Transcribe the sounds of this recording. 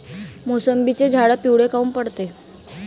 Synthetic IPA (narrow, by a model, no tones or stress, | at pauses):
mosəmbit͡sed͡zʱaɽəpiwɽekaumpəɽt̪e